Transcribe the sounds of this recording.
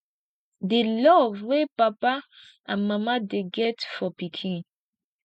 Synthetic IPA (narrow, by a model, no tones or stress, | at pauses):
delɔvwepapa | ãnmamadeɡɛtfɔpikʰĩn